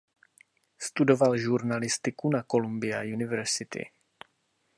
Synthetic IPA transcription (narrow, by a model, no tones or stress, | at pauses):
st̪udo̞valʒuɾnalɪst̪ɪkunako̞lumbɪja̰junɪvɛɾsɪt̪ɪ̰